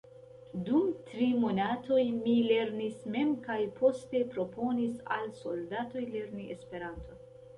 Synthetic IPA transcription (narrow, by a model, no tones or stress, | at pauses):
dumtɾimo̞natʰo̞jmile̞ɾnisme̞mkajpʰo̞ste̞pɾo̞pʰo̞nisa̰lso̞ldato̞jle̞ɾniespe̞ɾantʰo̞